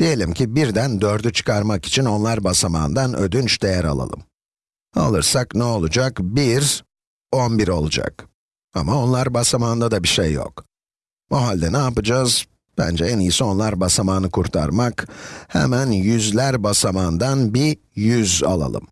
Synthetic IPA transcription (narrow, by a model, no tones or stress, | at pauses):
d̪̥ije̞lʲimcʰibiɾd̪ænd̪ø̞ɾd̪yt͡ʃʰɯ̥kʰaɾmaki̥t͡ʃʰino̞nlˠaɾbasama̰ːnd̪anʔø̰d̪ynt͡ʃd̪ejæɾa̰lˠa̰lˠɯ̰m | a̰lˠɯɾsaknɛo̞lˠud͡ʒakbiɾ | o̞nbiɾo̞lˠud͡ʒa̰k | a̰mao̞nlˠaɾbasamaːnd̪ad̪abiʃejːo̰k | oɦalʲd̪ɛnaːpɯd͡ʒaːz | b̥æ̰nd͡ʒɛɛnijisɛo̞nlˠaɾbasamaːnɯkʰuɾt̪ʰa̰ɾmakhɛ̰mænjyzlʲæɾbasamaːnd̪anbi | jyza̰lˠa̰lˠɯ̰m